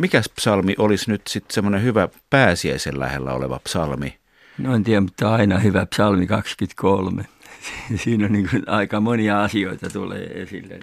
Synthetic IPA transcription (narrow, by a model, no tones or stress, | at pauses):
mikæspsɑlmiʔolisnyt̪sit̪semːonehyʋæpæːsiæisellæ̰hḛlːæ̰o̰lḛʋɑ̰psɑlmi | noent̪iæmut̪ːɑɑinɑhyʋæpsɑlmikɑkskyt̪kʰolme | sisiːnonniːŋkunɑikɑmoniɑɑsioit̪ɑt̪ulḛːesḭlːḛ